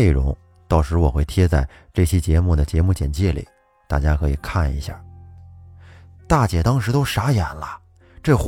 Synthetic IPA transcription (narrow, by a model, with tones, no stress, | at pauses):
e˥˩ɪɻʊ̰˧˥ŋ | t̪ɑ˥˩ʊʂɻ̩˧˥wɔ˨˩xwe˥˩ɪt̪ʰjɛ˥t͡sa˥˧ɪ | ʈ͡ʂɤ˥˩ɕjɛ˥t͡ɕjɛ˧˥mu˥˩d̪ə˩t͡ɕjɛ˧˥mu˥˩t͡ɕjɛ˨˩nt͡ɕjɛ˥˩lḭ˨˩˦ | t̪a̰˥˩t͡ɕja˥kʰɤ˧˥i˨˩kʰa˥˩nḭ˧˥ɕja̰˥˩ | t̪a˥˩t͡ɕjɛ˨˩t̪ɑ˥ŋʂɻ̩˧˥t̪o˥ʊʂa˧˥jɛ˨˩nlə˧ | ʈ͡ʂɤ˥˩x